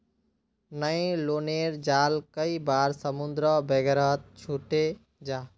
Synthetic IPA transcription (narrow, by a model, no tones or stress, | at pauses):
nəẽloːneɾd͡ʒaːlkəibaːɾsəmund̪ɾəbeɡəɾət̪̚t͡ʃʰuʈe | d͡ʒaː